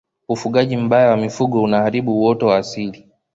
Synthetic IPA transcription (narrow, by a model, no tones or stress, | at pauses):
ufuɠaʄim̩bajawamifuɡɔunahaɾiɓuwɔtɔwaːsili